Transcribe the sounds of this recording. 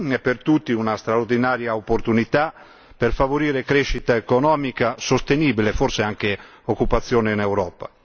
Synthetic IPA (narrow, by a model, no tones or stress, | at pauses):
ɛpːert̪ut̪ːiunast̪ɾaoɾd̪inaːɾjaopːoɾt̪unit̪a | perfavoɾiːɾekɾeʃit̪aekonɔːmikasost̪eniːbilefoɾseaŋke | okːupat̪sːjɔːneinɛwɾɔːpa̰